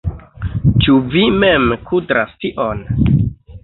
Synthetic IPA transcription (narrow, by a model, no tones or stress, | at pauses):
t͡ʃuvimemkʰudɾa̰stiʔon